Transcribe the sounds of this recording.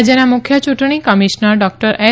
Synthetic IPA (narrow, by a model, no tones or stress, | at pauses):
d͡ʒənamʊkʰjət͡ʃuʈɳ̃ikəmiʃnəɾɖɔk̚ʈəɾʔɛ